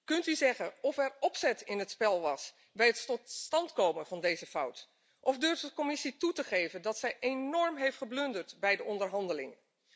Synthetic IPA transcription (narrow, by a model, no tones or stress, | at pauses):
kɵntyzɛχənɔfɛɹɔpsɛtɪnɦətspɛlˠʋɑs | bɛjəttɔtstɑntkowmənvɑndejzəfʌwt | ʔɔvdøɹfdəkomɪsitutəχejvəndɑtsɛjʔenɔɹmɦejftχəblɵndəɹtbɛjdəɔndəɹɦɑndəlɪ̰ŋə